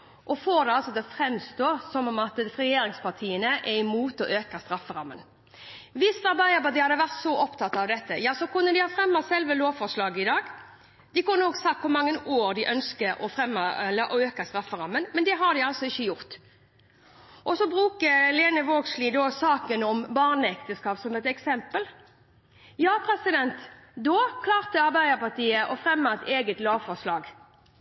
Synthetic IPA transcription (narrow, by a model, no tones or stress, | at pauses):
ʔɔfoːɾd̪ɛɑlsɔt̪ɪlɔfɾɛmst̪oːsɔmɔmɑt̪ʁɛjeːɾɪŋspɑʁt̪ʰiːənəʔɛɪmuːt̪ɔʔøːkəst̪ɾɑfəɾɑmːə̰n | ʋɪst̪ɑɾbɑɪɑbɑd̪ɪhɑd̪ːəʋæʁt̪sɔʔɔpt̪ʰɑt̪ːɑʋd̪ɛt̪ːəjɑːsɔkʊnːəd̪ɪhɑːfɾɛmːɑsɛlʋəloːʋfɔɾʂlɑːɡəɪd̪ɑːɡ | d̪̥ɪkʊnːəɔɡsɑkt̪kʰʊɾmɑŋːənoːɾd̪ɪʔœnskəɾɔfɾɛmːɑləʔɔøːkɑst̪ɾɑfːəɾʁɑmːənmɛnd̪ɛɦɑd̪ɪɑlsɔɪçːəjʊʁt̪ | ʔɔsɔbʁʉːkəleːnəʋoːɡsliːd̪oːsɑːkənɔmbɑʁnəɛkt̪əskɑːpsɔmɛt̪ɛksɛmpəl | jɑːpʰɾɛsɪd̪ɛnt̪ | d̪oːkʰlɑːʁt̪əɑʁbæɪd̪əpɑʁt̪iːəʔɔfʁɛmːɑɛt̪ʰeːɡət̪loːʋfɔʁʂlɑːɡ